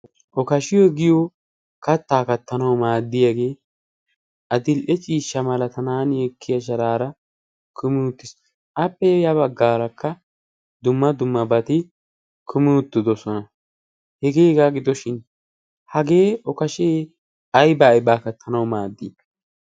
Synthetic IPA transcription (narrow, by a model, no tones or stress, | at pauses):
ʔɔkɐʃɪjɔɡɪjɔ | kɐt̪ːaːkɐt̪ːɐnɐwmaːd̪ːɪjɐɡe̞ː | ʔɐd̪ɪlʔɛt͡ʃʼiːʃːɐmɐlɐt̪ʰɐnaːnjɛkʰːɪjɐʃ̬ɐɾaːɾɐ | kʰʊmɪʊt̪ːɪs | ʔɐpːɛjɐbɐɡːaːɾɐkːɐ | d̪ʊmːɐd̪ʊmːɐbɐt̪ɪ | kʰʊmɪʊt̪ːɪd̪ɔsɔnɐ | hɛɡe̞ːɡaːɡɪd̪ɔʃɪn | hɐɡe̞ːʔɔkɐʃɪ | ɐjbajbaːkɐt̪ʰːɐnɐwmaːd̪ːɪ̰